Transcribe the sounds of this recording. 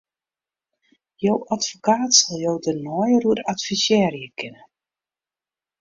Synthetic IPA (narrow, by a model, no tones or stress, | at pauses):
jowʔatfokaːtsɔlˠjowdənɔːjəɾuəɾatfisjɛːrjəkʰɪnə